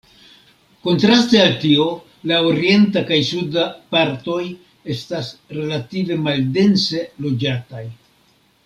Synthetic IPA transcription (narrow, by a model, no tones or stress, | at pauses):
ko̞ntɾaste̞altio̞ | laoɾie̞ntakajsudapaɾto̞j | e̞stasɾe̞lative̞malde̞nse̞lo̞d͡ʒataj